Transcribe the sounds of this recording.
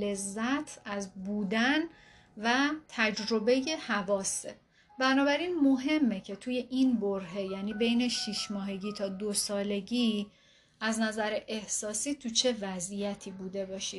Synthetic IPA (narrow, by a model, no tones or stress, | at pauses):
e̞zːæt̪ʰæzbuːd̪æn | væt̪ʰæd͡ʒɾo̞be̞je̞hævɒːse | bænɒːbæɾinmo̞ɦe̞mːecʰe̞t̪ʰuːje̞ʔinboɾɦe̞jæniːbe̞jne̞ʃiʃmɒːɦe̞ɟiːt̪ʰɒːd̪osɒːle̞ɟiː | æznæzæɾeʔehsɒːsiːt̪ʰut͡ʃʰe̞væzijæt̪ʰiːbuːd̪e̞bɒːʃiːd̪̥